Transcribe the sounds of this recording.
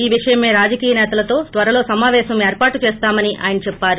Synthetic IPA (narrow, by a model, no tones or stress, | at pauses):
iːʋiʂɐjɐmeːɾaːd͡ʒɐkiːjɐnɛːt̪ɐlɐt̪o̞ːt̪ʋɐɾɐlo̞ːsɐmaːʋɛːʃɐmeːɾpaːʈːut͡ʃɛːst̪aːmɐniʔa̰ːjɐnɐt͡ʃɛpːaːɾu